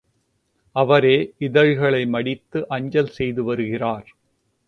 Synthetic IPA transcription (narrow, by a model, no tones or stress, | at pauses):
ʔɐʋɐɾeːʔɪðɐɻɣɐɭɐɪmɐɽɪt̪ːɯʔɐɲd͡ʒɐlsɛjðɯʋɐɾɯɣɪraːɾ